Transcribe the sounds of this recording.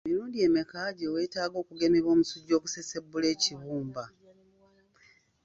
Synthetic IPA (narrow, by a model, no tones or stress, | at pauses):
emiɾuːndie̞ːmekaːɟewe̞ːtaːɡo̞ːkuɡe̞meβo̞ːmusuɟːo̞ːkuse̞se̞bːule̞ːciβuːmba